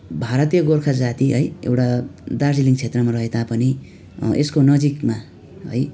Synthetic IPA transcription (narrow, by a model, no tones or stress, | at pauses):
bʱaɾʌt̪ijʌɡorkʰʌd͡zat̪iɦʌ̰jḛwʈad̪ard͡ziliŋt͡sʰet̪rʌmarʌɦet̪apʌni | eskonʌd͡zikma | ɦʌ̰j